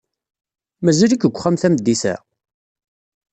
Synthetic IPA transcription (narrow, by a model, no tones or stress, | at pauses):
mæzælikəɡʷːχæmθæmd̪ːisæ̰